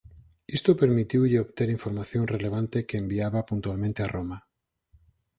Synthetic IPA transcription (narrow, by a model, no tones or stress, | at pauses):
ist̪opeɾmit̪iwʎeoβt̪eɾiɱfoɾmaθjõŋreleβ̞ant̪ekeːmbiaβapunt̪ualmẽnt̪earoma